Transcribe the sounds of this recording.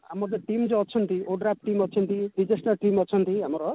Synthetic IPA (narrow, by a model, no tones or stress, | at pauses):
a̰mɔd̪eʈimd͡ʒoɔt͡ʃʰɔnt̪iʔoɖɾap̚ʈimɔt͡ʃʰɔnt̪iɖid͡ʒesʈɔɾʈimɔt͡ʃʰɔnt̪iamɔɾɔ